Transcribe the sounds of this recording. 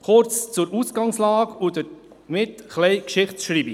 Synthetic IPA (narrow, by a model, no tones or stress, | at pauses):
χʊɾt͡st͡suɾusɡ̥ɑŋslɑːɡudə | mɪtχlɛɪkʃɪχtʃɾiːbi